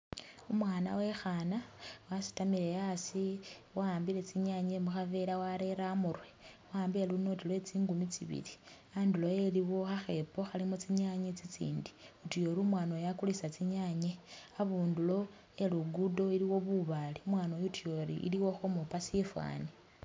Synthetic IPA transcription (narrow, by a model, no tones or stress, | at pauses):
umwaːna̰we̞xanawasi̥tamile̞jasiwaːmbile̞t͡siɲaɲemuxaveɾawaɾe̞ɾamurwewaːmbieluno̞tilwe̞t͡siːŋɡumit͡sḭβḭli | aːndulo̞je̞liwo̞xaxe̞po̞xalimut͡siɲaɲet͡sit͡sḭːndi̥utujo̞ɾumwaːnojakulisat͡siɲaɲe̞aβuːndulo̞ | eluɡudo̞iliwo̞βuβaliumwaːnojutujoɾḭʔḭliwo̞xomupasifwa̰ːni